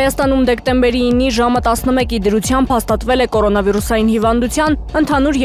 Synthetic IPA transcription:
jɑst̪ɑnumd̪ɛkt̪ɛmbɛɾiːnːiʒɑmət̪ɑsnəmɛkid̪əɾut͡sʰjɑmbhɑst̪ɑt̪vɛlɛkɔɾɔnɑviɾusɑjinhivɑnd̪ut͡sʰjɑnənt̪ʰɑnuɾ

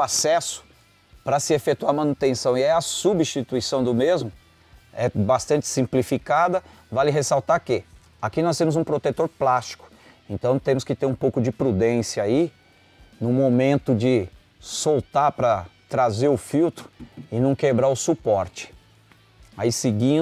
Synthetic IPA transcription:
asɛsʊ̥ | pɾɐsɪefet̪uaɾmɐ̃nut̪ẽsɐ̃w̃iɛɐsubist͡ʃit̪uisɐ̃w̃d̪ʊmezmʊ | ɛbast̪ɐ̃t͡ʃɪ̥sĩplifikad̪ɐ | valɪɦesawt̪aɾkɪ | akinɔs̬t̪ẽmʊzũpɾot̪et̪oɾplast͡ʃi̥kʊ̥ | ẽnt̪ɐ̃w̃t̪ẽmʊskɪt̪eɾũpowkʊd͡ʒɪpɾud̪ẽsijɐai | nʊ̃momẽnt̪ʊd͡ʒɪ | sowt̪aɾpɾɐt̪ɾazeɾʊfiwt̪ɾʊɪnɐ̃w̃kebɾaɾʊsupɔɾt͡ʃɪ̥ | aisɪɡĩ

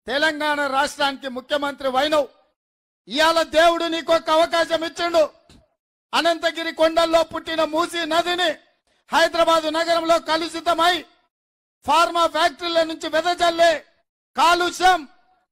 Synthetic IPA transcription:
t̪ɛlɐŋɡaːɳɐɾaːʂʈɾaːnikimukʰjɐmɐnt̪ɾiʋɐjnɐw | ijaːlɐd̪eːwuɽuniːkɔkːɐɐʋɐkaːʃɐmit͡ʃːiɳɖu | ɐnɐnt̪ɐɡiɾikɔɳɖɐlːo̞ːpuʈːinɐmuːsiːnɐd̪ini | hɐjd̪ɾɐbaːd̪unɐɡɐɾɐmlo̞ːkɐlusit̪ɐmɐji | pʰaːɾmaːpʰjaːk̚ʈiɾlɐnuɲt͡ʃiʋɛd̪ɐd͡ʒɐlːeː | kaːluʃɐm

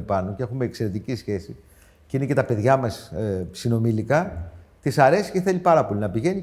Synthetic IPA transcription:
pɐno̞ceexumeːkse̞ɾe̞t̪icisçe̞si | ceinecet̪ɐpe̞ðʝɐmɐssino̞milikɐt̪isɐɾe̞si̥ceθelipɐɾɐpo̞linɐpiʝe̞ni

